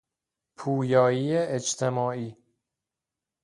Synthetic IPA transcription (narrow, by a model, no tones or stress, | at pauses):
pʰuːjɒːjiːeet͡ʃt̪ʰe̞mɒːiː